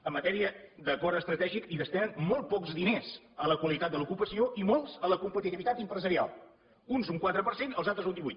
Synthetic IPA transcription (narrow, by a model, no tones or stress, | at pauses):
əmːət̪ɛɾiəðəpɔɾəst̪ɾət̪ɛʒikiðəst̪ɛnənmɔlˠt̪̚pɔkzðinez | ələkwəlit̪at̪̚d̪əlukupəsioʔimolˠzələkumpət̪it̪iβit̪at̪impɾəzəɾia̰lˠ | unzuŋkwat̪ɾəpəɾsenəlˠzalˠt̪ɾəzund̪iβujt̪